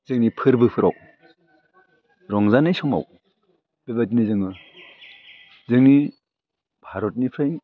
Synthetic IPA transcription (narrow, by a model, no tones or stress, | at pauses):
zɯŋnipʰɯɾbɯpʰɯɾa̰w | ɾɔŋzanɯjsɔma̰w | b̥ebatinizɯŋɯ | zɯŋni | b̥ʱaɾɔt̚nipʰɾaj